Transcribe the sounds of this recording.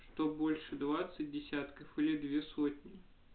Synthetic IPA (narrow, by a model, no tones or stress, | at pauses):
ʂt̪obolʲʂɨd̪vat̪sɨt̚ʲdʲɪsʲat̪kəfɨlʲɪd̪vʲesot̪ʲnʲɪ